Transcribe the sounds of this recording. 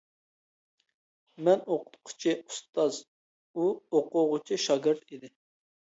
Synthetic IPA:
mɛnoqʰʊ̥t̪̚qʰʊ̥t͡ʃʰiu̥st̪ɑz | uoqʊʁʊt͡ʃʰiʃɑɡʲɨɾt̪id̪ɪ

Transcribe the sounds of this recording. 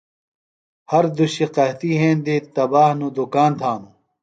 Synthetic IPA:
hɐɾd̪uɕiqɐɦt̪iɦẽːnd̪it̪ɐbaːhnud̪ukaːnt̪ʰaːnu

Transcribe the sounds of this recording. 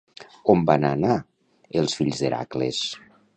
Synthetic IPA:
ombanana | elˠsfiʎzðeɾa̰klḛs

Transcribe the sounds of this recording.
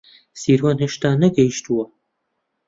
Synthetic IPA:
siːɾwaːnɦeʃt̪aːnɐɡɐjiʃt̪uwɐ

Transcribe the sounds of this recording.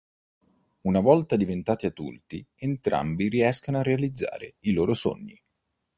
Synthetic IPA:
unavɔlt̪ad̪ivent̪aːt̪iad̪ṵlt̪ient̪ɾa̰mbiɾiɛskanoarːealid̪zːa̰ːɾeiloːɾoso̰ɲːi

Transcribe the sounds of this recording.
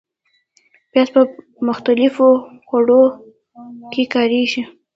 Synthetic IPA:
bjɑspə | mʊxt̪alɪfoxaɽo | kʰekɑɾeʃi

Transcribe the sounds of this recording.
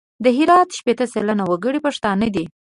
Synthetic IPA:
d̪əɦɪɾɑt̪ʃpet̪əselanawəɡəɽipaʂt̪ɑnəd̪i

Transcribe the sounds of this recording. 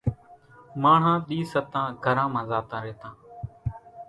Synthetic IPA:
maːɳ̤ãːɗ̪iːsət̪ãːɡʱəɾãːmãːzaːt̪ãːɾeːt̪ãː

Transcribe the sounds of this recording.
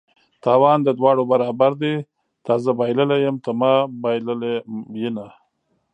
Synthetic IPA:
t̪ɑwɑnd̪əd̪wɑɽobaɾɑbaɾd̪e | t̪ɑzabɑjləlajəmt̪əmɑbjllejina

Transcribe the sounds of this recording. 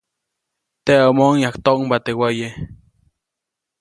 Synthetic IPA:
t̪eomonjakt̪oʔŋmbat̪ewaje

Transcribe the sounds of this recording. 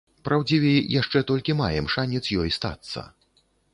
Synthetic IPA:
pɾʔawd͡zʲivʲɛjjaʂt͡ʂɛt̪ɔlʲkʲimajɛmʂanʲɛt̪sjɔjst̪a̰t̪sːɐ̰

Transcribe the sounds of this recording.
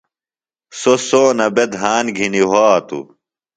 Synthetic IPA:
sosoːnɐbed̪ɦaːnɡʱiniɦaːt̪ṵ

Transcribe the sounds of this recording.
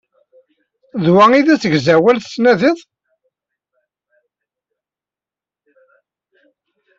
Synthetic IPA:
ðwæiðæsəɡzæwælθsnæðɪðˤ

